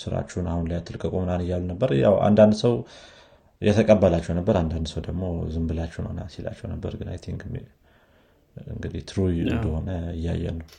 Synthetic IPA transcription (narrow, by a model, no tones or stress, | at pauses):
sɨɾa̰t͡ʃːɛunahunlajat̪ʰːɨlkʼəkʼomɨnanɨjalːnəbːəɾja̰wa̰nd̪and̪səw | jɛt̪ʰəkʼəbːəlat͡ʃːɛwnəbːəɾand̪and̪səwd̪əɡmo̞zɨmbɨlat͡ʃːɛwnə̰wnasila̰t͡ʃːɛwnəbːə̰ɾɡɨna̰jt̪ʰiɨŋɡɨm̰ | ɨ̰ŋɡɨd̪iht̪ʰɾujɨ̰nd̪əho̞nəɨjːa̰jːɛ̰nəw